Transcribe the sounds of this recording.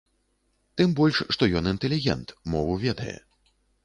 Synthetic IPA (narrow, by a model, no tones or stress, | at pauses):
t̪ɨmbɔlʲʂːt̪ɔjɔnint̪ɛlʲiɣʲɛ̰nt̪mɔvuvʲɛd̪ɐjɛ̰